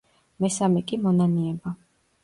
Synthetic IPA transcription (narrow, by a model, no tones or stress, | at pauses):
mɛsamɛkʼimɔnaniɛba